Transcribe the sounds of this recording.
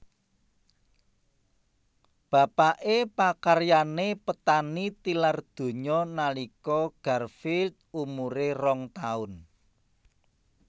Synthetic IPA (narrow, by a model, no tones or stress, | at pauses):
b̥ä̤paʔepakarjanepət̪anit̪ilard̪̥o̤ɲɔnalikɔɡ̥a̤rfilt̪̚umuɾerɔŋt̪aʊn